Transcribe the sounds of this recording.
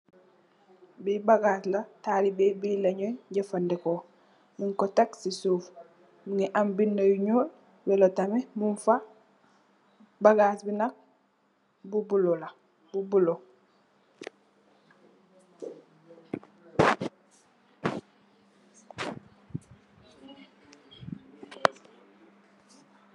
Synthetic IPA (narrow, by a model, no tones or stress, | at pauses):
bibaɡatlataɾibebileɲoɟafandeko | muŋkotaksisuːf | muŋiʔambinːajuɲuːl | bɛlotamimunfa | baɡaːsbinak̚ | bubulola | bubulo